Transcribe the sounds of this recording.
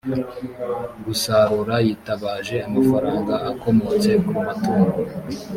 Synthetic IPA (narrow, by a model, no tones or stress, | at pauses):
ɡusaɾuɾajitaβaːʒe̞amafaɾaːŋɡaːko̞mo̞t͡se̞kumatuːɾa